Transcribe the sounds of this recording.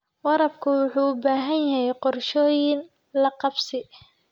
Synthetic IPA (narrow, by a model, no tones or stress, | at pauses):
wɑɾɐbkʰʊwʊħuːʊbaːɦɐnjɐɦɛjqɔrʃɔːjɪn | lɐqɑbsɪ